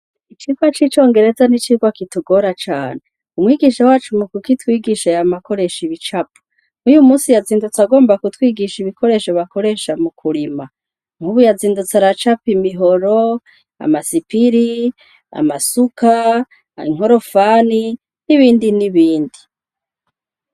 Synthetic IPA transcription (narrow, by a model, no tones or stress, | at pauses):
it͡ʃiːɡwat͡ʃit͡ʃo̞ːŋɡe̞ɾe̞zanit͡ʃiːɡwakituɡo̞ɾat͡ʃa̰ːne | umwiːɡiʃawaːt͡ʃumukukitwiːɡiʃejamako̞ɾe̞ʃiβit͡ʃapu̥ | ŋujumuːsijaziːndut͡saɡo̞ːmbakutwiːɡiʃiβikʰo̞ɾe̞ːʃoβako̞ɾe̞ːʃamukʰuɾima | ŋ̥huβujaziːndut͡saɾat͡ʃapimiɦoɾo | a̰masipiɾi | a̰masuka | iŋ̥ɦo̞ɾo̞fani | niβiːndiniβiːndi